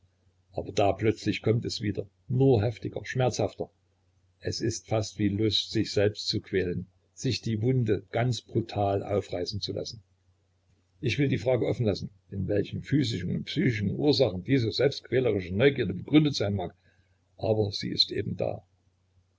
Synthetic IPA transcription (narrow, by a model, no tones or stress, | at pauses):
ʔaːbɐdaːplœt͡slɪçkʰɔmtɛsv̥iːdɐ | nuːɐɦɛftɪɡɐ̰ʃmɛɐt͡shaftɐ | ʔɛsɪstfastv̥iːlʊstz̥ɪçz̥ɛlpstt͡sukv̥ɛːlən | z̥ɪçd̥iːvʊndəɡ̥ant͡sb̥ʁutʰaːlʔa̰ʊfʁaɪsn̩t͡sulʔa̰sn̩ | ʔɪçv̥ɪldiːfʁ̥aːɡəʔɔfn̩lasn̩ | ʔɪnvɛlçn̩fyːzɪʃn̩ʊ̰nt̚psyːçɪʃn̩ʔṵːɐzaχn̩diːzəzɛlpstkv̥ɛːləʁɪʃənɔʏɡiːɐdəbəɡ̥ʁʏndətz̥aɪnmaːk | ʔaːbɐz̥ḭːɪ̰stʔḛːbm̩da̰ː